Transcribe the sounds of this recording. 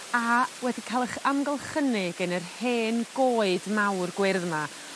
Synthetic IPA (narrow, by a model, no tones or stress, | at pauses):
awɛdikʰalˠɛχamɡɔlˠχənɪɡənərheːnɡ̥oːɨdmawrɡwɪrðma